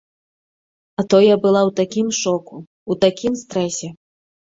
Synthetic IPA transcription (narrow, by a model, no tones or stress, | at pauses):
at̪ɔjɐbɨlˠawt̪akʲimʂɔku | ut̪akʲimst̪ɾɛsʲɛ